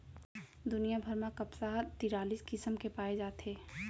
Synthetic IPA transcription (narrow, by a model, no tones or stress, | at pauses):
d̪ʊnijabʱəɾmãkɐpsaɦt̪iːɾaːliːskɪsəmkepaːed͡ʒaːt̪eː